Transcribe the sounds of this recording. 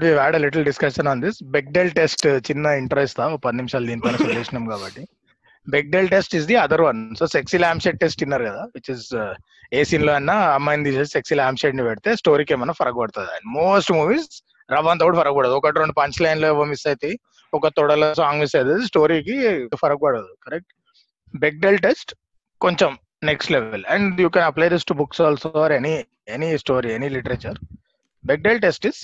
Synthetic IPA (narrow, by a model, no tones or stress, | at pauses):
ʈʋiʋaːɖɐliʈɐlɖiskɐʃɐnaːnd̪isbek̚ɖeːlʈesʈt͡ʃinːɐiɳʈɐɾɐjst̪aːpɐd̪inimʃaːld̪iːnipɐnɐɐuːsɐnɐmkaːbɐʈːi | bek̚ɖelʈesʈizd̪iɐd̪ɐɾʋɐnsoːseksilaːmseʈ̚ʈesʈinːɐːɾukɐd̪aːʋit͡ʃiːz | eːsinloɐnːaɐmːɐjnd̪iːsɐsseksilaːmseʈnipɛɽit̪eːsʈoːɾiːkeːmɐnɐpʰɐɾɐkbɐɽt̪aːd̪iɐ̰ɳɖmoːsʈmuːʋiːz | ɾɐʋɐnt̪ɐʋuɽpʰɐɾɐk̚bɐɽɐd̪uɔkɐʈɾoɳɖupɐɲt͡ʃlɐjnloiʋɐmisɐjt̪e | ɔkɐt̪ɔɽɐlɐsaːŋɡʋisɐjd̪es̬ʈoːɾiːkifʰɐɾɐk̚bɐɽɐd̪ukɐɾek̚ʈ | bek̚ɖelʈesʈ | koɲt͡ʃem | neksʈleʋelɛ̃ɳɖjuːkɛnɐplajd̪isʈubuksɔːlsoaɾeni | enisʈoːɾieniliʈɐɾɐt͡ʃɐɾ | bek̚ɖelʈesʈis